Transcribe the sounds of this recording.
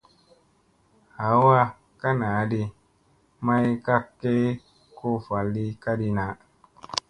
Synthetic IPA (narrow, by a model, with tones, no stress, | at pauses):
ha˨˦wa˦ | ka˦na˨˦di˧ | ma˦jka˦kːe˦ | ko˦˨fa˨lːi˦ka˦di˧na˨˦